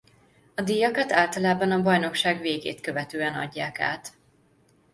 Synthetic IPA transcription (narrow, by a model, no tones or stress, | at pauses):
ɒd̪ijɒkɒt̪aːlt̪ɒlaːbɒnɒbɒjno̞kʃaːɡveːɡḛːt̪kø̞vɛt̪øːɛnɒ̰ɟːaːka̰ːt̪